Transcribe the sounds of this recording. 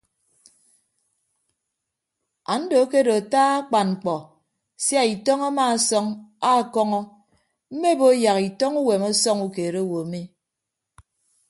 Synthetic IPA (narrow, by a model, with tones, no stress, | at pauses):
a˨n̩˦do˨˦ke˦do˨a˨taː˦a˦k͡pa˨nŋ͡m̩˨k͡pɔ˨ | sja˦i˨tɔ˦ŋa˦maː˦˨sɔ˦ŋa˦˨kɔ˦ŋɔ˦ | m̩˦me˦bo˦ja˨ki˨tɔ˦ŋu˦we˨mɔ˦sɔ˦ŋu˦ke˨ɾe˦o˦wo˨mi˦